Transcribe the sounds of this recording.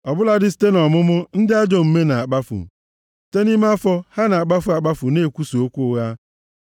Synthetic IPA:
ɔ˨bʊ˦la˦dɪ˦s̬te˦nɔ˨mʊ˦mʊ˦n̩˦dɪ˦a˦d͡ʒo˦m̩˦me˦na˨a˨k͡pa˦fʊ̰˨ | ste˦ni˦m˦a˦fɔ˦ha˦na˨a˨k͡pa˦fʊ˨a˨k͡pa˦fʊ˨ne˦˨kʷu˦su˨o˦kʷu˦ɣa˦

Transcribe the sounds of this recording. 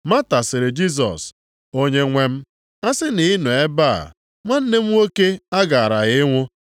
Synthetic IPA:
ma˦ta˨sɪ˨ɾɪ˨d͡ʒi˦s̬ɔ̰˨s | o˦ɲe˦ŋʷe˦m̩˦ | a˦sɪ˦nɪ˨˦nu˨e˦ba̰˦˨ | ŋʷa˦n̩˦ne˦m̩˦o˦ke˦a˦ɡa˨a˨ɾa˨ɣɪ˦ŋʷʊ˦

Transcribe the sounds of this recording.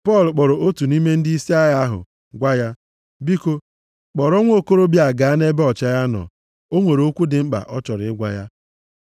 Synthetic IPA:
pɔ˦˨lk͡pɔ˨ɾɔ˨o˦tu˨ni˦me˦n̩˦di˦si˦a˦ja˦ɦʊ̰˨ | ɡʷa˦ja˦ | bi˦ko˦ | k͡pɔ˨ɾo˦ŋʷ˦o˦˨ko˦ɾo˦bja˨ɡa˨a˦ne˦be˦ɔ˨t͡ʃa˦ja˦nɔ̰˨ | o˦ŋʷe˨ɾo˦kʷu˦dɪ˨ŋ͡m̩˦k͡pa̰˨ʔɔ˦t͡ʃɔ˨ɾɪ̰˨ɪ˦ɡʷa̰˦ja˦

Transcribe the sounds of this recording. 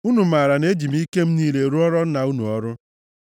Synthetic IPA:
u˦nu˨ma˨ɾa˨ne˦d͡ʒi˨m˦i˦ke˦m̩˦niː˦le˨ɾu˦ɔ˦ɾɔ˦na˨u˦nṵ˨ɔ˦ɾʊ˦

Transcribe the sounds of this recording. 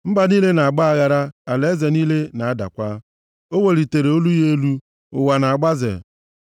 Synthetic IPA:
m̩˦ba˨niː˦le˦na˨a˨ɡ͡ba˦a˦ɣa˨ɾa˦a˨le˦ze˨niː˦le˦na˨a˦da̰˨kʷa˦ | o˦we˨li˨te˨ɾe˨o˦lu˦je˦e˦lu˦ | ʊ̰˨wa˨na˨a˨ɡ͡ba˦zḛ˨

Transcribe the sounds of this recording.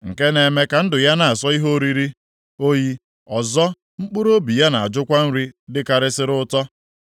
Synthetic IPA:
ŋ̩˨ke˦ne˨me˦ka˨n̩˦dʊ˨ja˦na˨a˨sɔ˦i˦ɦo˦ɾi˦ɾi˦ | o˦ji˦ | ɔ˨zɔ˦ | ŋ͡m̩˦k͡pu˦ɾo˦bi˨ja˦na˨a˨d͡ʒʊ˦kʷa˦n̩˦ɾi˦dɪ˦ka˨ɾɪ˦sɪ˦ɾʊ˦tɔ˦

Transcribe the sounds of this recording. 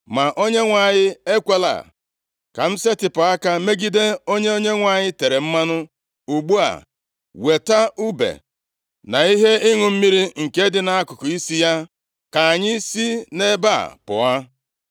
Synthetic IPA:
ma˨ʔo˦ɲe˦ŋʷa˨ɲɪ˦e˦kʷe˦la̰˨ | ka˨m̩˦se˦tɪ˨pʊ˨a˦ka˦me˦ɡi˦de˦o˦ɲe˦o˦ɲe˦ŋʷa˨ɲɪ˦te˨ɾe˨m̩˦ma˦nʊ˦ | u˨ɡ͡bu˦a̰˨ | we˨ta˦u˦bḛ˨ | na˨i˦ɦe˦i˦ŋʊ˨m̩˦mi˦ɾi˦ŋ̩˨ke˦dɪ˦na˨a˦kʊ˨kʊ˨i˦si˦ja˦ | ka˨ɲɪ˦si˦ne˦ba̰˦˨pʊ̰˨a˦

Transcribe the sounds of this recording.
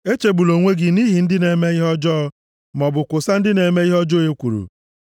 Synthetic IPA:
e˦t͡ʃe˨ɡ͡bu˨lo˨ŋʷe˦ɡɪ˨ni˦ɦi˨n̩˦dɪ˦ne˨me˦i˦ɦɔ˦d͡ʒɔ˦ | mɔ˨bʊ˨kʷʊ˨sa˦n̩˦dɪ˦ne˨me˦i˦ɦɔ˦d͡ʒo˦e˦kʷu˨ɾṵ˨

